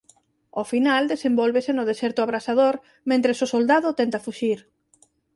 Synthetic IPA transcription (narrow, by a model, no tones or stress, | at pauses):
ofinald̪esẽmbɔlβesenʊð̞esɛɾt̪ʊaβɾasað̞oɾ | mẽnt̪ɾesʊsold̪aðʊt̪ɛnt̪ɐfuʃiɾ